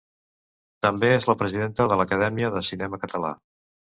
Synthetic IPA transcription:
t̪əmbeezləpɾəziðent̪əðələkəðɛmiəðəsinɛməkət̪əla̰

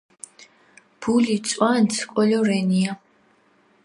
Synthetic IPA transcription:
b̥ulit̪sʼwant̪sʰkʼɔlɔɾɛnia

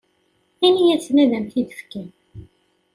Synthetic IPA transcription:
ænijæt͡sːnæðæmθid̪ə̥fkæn

